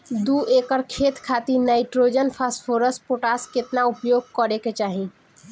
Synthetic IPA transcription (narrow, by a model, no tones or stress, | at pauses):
d̪uekəɾkʰet̪kʰat̪inajʈɾod͡ʒənpʰaspʰoɾəsʈ̚poʈasket̪naupjoɡ̚kəɾeket͡ʃaɦi